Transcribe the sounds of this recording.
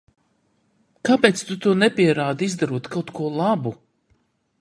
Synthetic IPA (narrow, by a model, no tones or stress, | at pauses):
kapeːt̪st̪ut̪uɔnɛpʲiɛɾaːd̪izd̪aɾuɔt̪kawt̪kuɔlˠabu